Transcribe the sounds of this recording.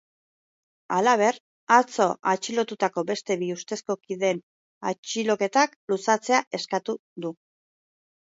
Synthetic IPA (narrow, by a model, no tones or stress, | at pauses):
alaβ̞e̞r | at͡so̞at͡ʃilo̞t̪ut̪ako̞be̞st̪e̞βiust̪e̞sko̞kiðe̞n | at͡ʃilo̞ke̞t̪aklusat͡se̞aʔe̞skat̪uðu